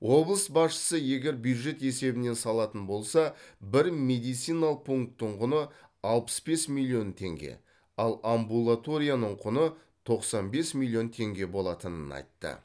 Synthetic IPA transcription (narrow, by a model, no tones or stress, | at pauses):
wo̞blˠəsbɑsʃə̥səje̞ɡʲe̞ɾbjuwd̪ʒe̞t̪e̞se̞bɪne̞nsɑlˠɑt̪ənbo̞lˠsɑbɪɾme̞d̪ijt̪sijnalˠəq̚pʰuŋk̚t̪ːəɴqʰʊnəɑlˠpə̥sbe̞smilʲˠːijo̞nt̪ʰe̞̰ŋɡʲe̞̰ | ɑlˠambulˠat̪o̞ɾʲijanəɴqʰʊnə | t̪ʰo̞qsɑnbe̞smilʲːio̞nt̪ʰe̞ŋɡʲe̞bo̞lˠɑt̪ənənɑ̰jt̪ːə̰